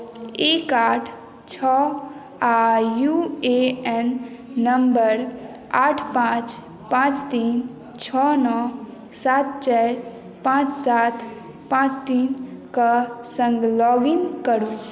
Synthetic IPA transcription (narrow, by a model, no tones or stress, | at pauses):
ekaːʈʰ | t͡ʃʰɔ | ajueɛnːəmbəɾ | aːʈʰpãːt͡ʃ | pãːt͡ʃt̪iːn | t͡ʃʰɔnɔ | saːt̪̚t͡ʃɛɾ | pãːt͡ʃsaːt̪ʰ | pãːt͡ʃt̪iːnkasə̃ŋɡlɔɡinkəɾu